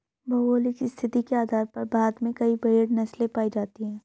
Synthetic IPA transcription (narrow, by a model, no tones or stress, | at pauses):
bɐoːlikist̪ʰɪt̪ikeaːd̪ʱaːɾpɐɾbaːd̪mẽkɐibɐeɽnɐslẽpaːid͡ʒaːt̪iɦɛ̃ː